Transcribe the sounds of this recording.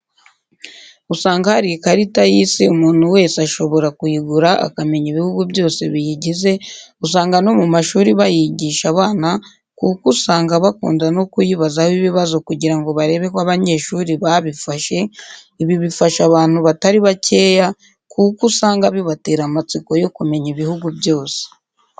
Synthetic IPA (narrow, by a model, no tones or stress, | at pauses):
usaːŋɡahaɾikaɾitajisiumuːn̥huwe̞ːsaʃo̞βo̞ɾakujiɡuɾaʔa̰kame̞ɲiβihuɡuβjo̞ːse̞βijiɟize̞us̬aːŋɡano̞mumaʃuːɾiβajiɟiːʃaβaːna | kukusaːŋɡaβakṵːndano̞kujiβazahoiβiβazo̞kuɟiɾaŋɡo̞βaɾe̞ːβe̞kwaβaɲe̞ːʃuːɾiβaβifaʃe̞ | iβiβifaʃaβaːnhuβataɾiβace̞ːja | kukusaːŋɡaβiβate̞ːɾamat͡siko̞jo̞kume̞ɲiβihuɡubjo̞ːse̥